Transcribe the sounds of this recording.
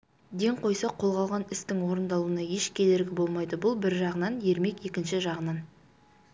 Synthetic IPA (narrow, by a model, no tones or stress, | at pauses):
d̪e̞ŋqʰo̞jsɑqʰo̞lˠʁɑlˠʁɑnɪst̪ɪŋwo̞ɾənd̪ɑlˠuənɑje̞ʃkʲʰe̞d̪e̞ɾɡʲɪbo̞lˠmɑjd̪əbʊlˠbɪɾʒɑʁənɑnje̞ɾme̞kje̞kʲɪnʃɪʒɑʁənɑn